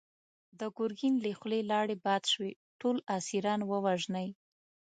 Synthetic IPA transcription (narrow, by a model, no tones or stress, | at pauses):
d̪əɡʊɾɡinlexlelɑɽebɑd̪ʃwe | ʈolasiɾɑnwəwaʒnəj